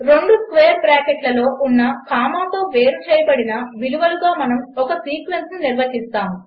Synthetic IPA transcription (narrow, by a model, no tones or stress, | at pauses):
ɾe̞ɳɖuskʋeːɐɾbɾaːkeʈlɐlo̞ːʔunːɐkaːmaːt̪o̞ːʋe̞ːɾut͡ʃeːjɐbɐɽinɐʋiluʋɐluɡaːmɐnɐmɔkɐsiːkʋensnuniɾʋɐɦist̪aːm